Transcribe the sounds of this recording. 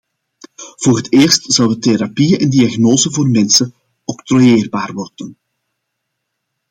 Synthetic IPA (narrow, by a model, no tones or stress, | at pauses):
v̥oːrɦəteːrstz̥ɑwəteɾapiəʔɛndiaɣnoːzəvoːrmɛnsə | ɔkt̪rojeːrbaːrʋɔrdən